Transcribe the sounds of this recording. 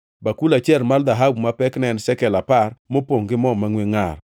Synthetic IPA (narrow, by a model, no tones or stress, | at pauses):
bakulat͡ʃɛlmald̪aɦabmapɛknɛnsɛkɛlaparmopoŋɡɪmɔmaŋweŋar